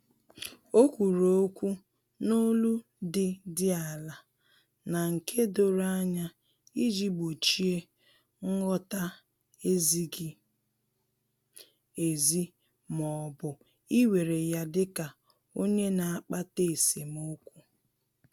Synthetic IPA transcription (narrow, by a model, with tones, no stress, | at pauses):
o˦kʷu˨ɾo˨˦kʷu˦ | no˦lu˦ | dɪ˨dɪ˦a˨la˨ | na˨ŋ̩˨kʰe˦do˦ɾa˦ɲa˦ | i˦d͡ʒi˦bo˨t͡ʃi˦e˦ | ŋ̩˦ŋɔ˦ta˦ | e˦zi˦ɡi˦ | e˨zi˦ | mɔ˨bʊ˨ | i˦we˨ɾe˨ja˦dɪ˦ka˨ | o˦ɲe˦na˨a˨k͡pa˦te˦˨se˨mo˦kʷu˦